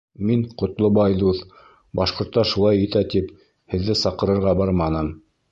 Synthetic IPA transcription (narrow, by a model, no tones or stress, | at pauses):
miɴqŏt̪lˠobɑjd̪uθ | bɑʃqŏɾt̪ːɑʃulˠɑjĭt̪æt̪ip | hɘ̆ðːɘsɑqɤ̆ɾɤ̆ɾʁɑbɑɾmɑnɤm